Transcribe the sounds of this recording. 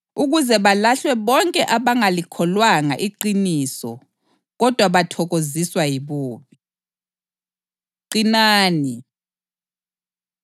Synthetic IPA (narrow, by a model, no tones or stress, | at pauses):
uɣuzɛβalaɬwɛβɔŋkʼɛʔaβaŋalikʰɔlwaŋa̰ʔiǃinisɔ̰ | ɣɔd̥ʱwaβatʰɔɣoziswajiβoːβi | ǃinaːni